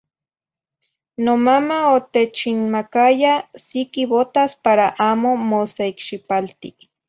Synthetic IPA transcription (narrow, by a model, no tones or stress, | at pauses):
nomamaot̪et͡ʃinmakajasikiβot̪aspaɾaʔaːmomoseikʃipalt̪i